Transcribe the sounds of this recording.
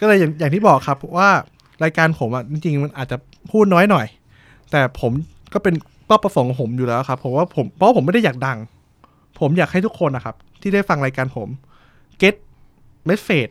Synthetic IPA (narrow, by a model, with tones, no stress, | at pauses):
kɔː˥˩lɤː˧jaː˨˩jaː˨˩ŋt̪ʰiː˥˩bɔː˨˩kʰːa˦˥pʰːɔ˦˥waː˥˩ | ɾaː˧jkaː˧npʰo˩˦mʔa˨˩t͡ɕi˧ŋt͡ɕi˧ŋma˧nʔaː˨˩t̪̚t͡ɕa˨˩ | pʰuː˥˩t̪̚nɔː˦˥jnɔ˨˩j | t̪ɛː˨˩pʰo˩˦m | kɔː˥˩pe˧n | kɔː˥˩pːa˧fo˨˩˦ŋpʰo˩˦mjuː˨˩lɛː˦˥wkʰa˦˥pʰːo˩˦mwaː˥˩pʰo˩˦mpʰɔ˦waː˥pʰo˩˦ma˥˩da˥˩jaː˨˩k̚da˧ŋ | pʰo˩˦mjaː˨˩k̚a˥˩jt̪ʰu˦˥kʰːo˧nʔa˨˩kʰa˦˥p̚t̪ʰiː˥˩da˥˩jfa˧ŋɾaː˧jkaː˧npʰo˩˦m | ke˦˥t̪̚ | ma˦˥˩feː˨˩t̪̚